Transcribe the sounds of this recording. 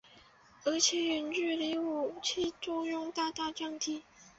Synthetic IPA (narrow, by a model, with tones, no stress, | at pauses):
ɤ˧˥t͡ɕʰi˥y˧˥nʈ͡ʂy˥˩li˧˥u˨˩t͡ɕʰi˥ʈ͡ʂʊ˥˧ŋjʊ˥˧ŋt̪a˥˧t̪a˥˧ʈ͡ʂɑ˥˩ŋt̪ʰi˥˩˦